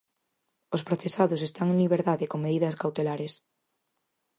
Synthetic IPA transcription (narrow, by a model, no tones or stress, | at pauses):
ospɾoθesaðʊsest̪aŋẽnliβ̞eɾðaðekoŋmeðiðɐskawt̪elaɾes